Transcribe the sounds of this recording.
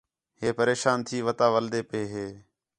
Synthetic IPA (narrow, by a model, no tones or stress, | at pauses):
ɦeːpəɾeːʃaːnt̪ʰiːʋət̪aːʋəld̪eːpeːɦeː